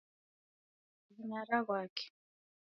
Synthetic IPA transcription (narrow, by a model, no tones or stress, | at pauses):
ɣuɲaɾaɣwaːkɛ̥